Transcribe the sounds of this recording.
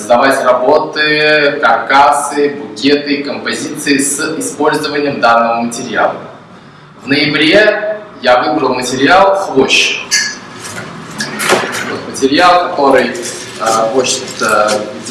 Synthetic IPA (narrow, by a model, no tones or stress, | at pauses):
əzd̪ɐvatʲrɐbo̞t̪ɨkɐrkasɨbʊkʲet̪ɨkəmpɐzʲit̪sɨɪsɪspo̞lʲzəvənʲɪjəmd̪anːəvəmətʲɪɾʲɪa̰lˠə | vnəjɪbɾʲejavɨbɾəlˠmətʲɪɾʲɪalˠxvˠoɕ | vot̪mətʲɪɾʲɪalˠkɐt̪o̞ɾɨj | xot͡ɕɪ̥t̪ə